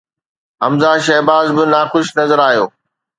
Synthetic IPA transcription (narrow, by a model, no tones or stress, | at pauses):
ɦɐmzaːʃɐɦbaːzbɪnaːxʊʃnɐzəɾaːɦijoː